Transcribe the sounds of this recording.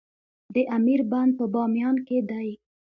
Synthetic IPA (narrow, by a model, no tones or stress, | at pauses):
d̪əʔamiɾband̪̚pəbɑmjɑnked̪aj